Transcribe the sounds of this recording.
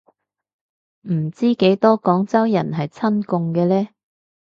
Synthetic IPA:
m̩˨˩t͡siː˥ke˨˥jt̪ɔː˥kɔː˨˥ŋt͡sɐ˥wjɐ˨˩nɦɐ˨jt͡sʰɐ˥nkʊ˧ŋkɛː˧lɛː˥

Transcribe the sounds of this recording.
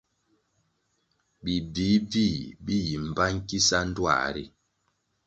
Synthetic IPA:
bi˨di˨˦bi˦˨bi˦ji˨m̩˨ba˦ŋ̩˦ki˦sa˦n̩˦dwa̰˦˨ɾḭ˦

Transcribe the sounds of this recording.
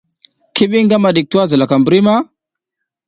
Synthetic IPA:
ki˦ɓi˦ŋɡa˦ma˨ɗi˨k̚tu˦a˦za˨la˨ka˨mbə˨ɾi˦ma˦

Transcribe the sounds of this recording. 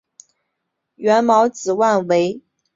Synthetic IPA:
ɥɛ˧˥nmɑ˧˥ʊt͡sɹ̩˨˩wa˥˩nwe˧˥ɪ

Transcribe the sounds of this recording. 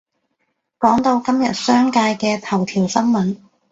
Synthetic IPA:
kɔː˨˥ŋt̪o˧wkɐ˥mjɐ˨t̚sœː˥ŋkaː˧jkɛː˧t̪ʰɐ˨˩wt̪ʰiː˨˩wsɐ˥nmɐ˨˥n

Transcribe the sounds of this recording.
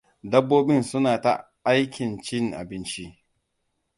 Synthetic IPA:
dɐ˦bːoː˦ɓɪ˦nsʊ˦naː˨ta̰˦ | a˦jkʲɪ˨nt͡ʃɪ˦ŋʔa̰˨bɪ˦nt͡ʃi˦ʔ

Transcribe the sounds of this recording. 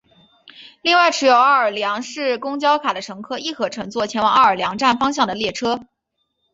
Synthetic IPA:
li˥˧ŋwa˥˩ɪʈ͡ʂʰɻ̩˧˥jo˨˩ʊa˥˩ə˞˨˩ljɑ˧˥ŋʂɻ̩˥˩kʊ˥ŋt͡ɕjɑ˥ʊkʰa˨˩d̪ə˦ʈ͡ʂʰɤ˧˥ŋkʰɤ˥˧i˥˩kʰɤ˧˥ʈ͡ʂʰɤ˧˥ŋt͡swɔ˥˩t͡ɕʰjɛ˧˥nwɑ˨˩ŋa˥˩ə˞˨˩ljɑ˧˥ŋʈ͡ʂa˥˩nfɑ˥ŋɕ̬jɑ˥˩ŋd̪ə˩ljɛ˥˩ʈ͡ʂʰɤ˥

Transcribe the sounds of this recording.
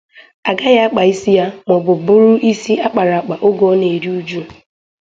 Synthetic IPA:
a˨ɡa˦ja˦a˦k͡pa˨i˦si˦ja˦mɔ˨bʊ˨bʊ˦ɾʊ˦ʔi˦si˦a˦k͡pa˨ɾa˨a˨k͡pa˨ʔʊ˦ɡo˦ne˨ɾi˦u˦d͡ʒu˦˨

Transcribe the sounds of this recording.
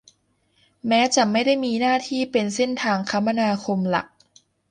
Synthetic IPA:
mɛː˦˥t͡ɕa˨˩ma˥˩jda˥˩jmiː˧naː˥˩t̪ʰiː˥˩pe˧nse˥˩nt̪ʰaː˧ŋkʰa˦˥mːa˧naː˧kʰo˧mla̰˨˩k̚

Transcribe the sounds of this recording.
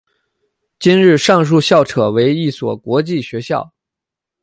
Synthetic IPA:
t͡ɕi˥nɻɻ̩˥˧ʂɑ˥˧ŋʂ̬u˥˧ɕjɑ˥˩ʊʈ͡ʂʰɤ˨˩we˧˥ɪi˥˩swɔ˨˩kwɔ˧˥t͡ɕi˥˩ɕɥɛ˧˥ɕjɑ˥˩ʊ

